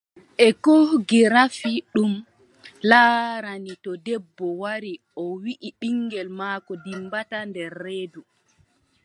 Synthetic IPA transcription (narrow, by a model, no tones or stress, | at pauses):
ʔɛkɔɡiɾafiɗum | laːɾanitɔdɛbːɔwaɾi | ɔwiʔiɓiŋɡɛlmaːkɔdimbatandɛɾːeːdu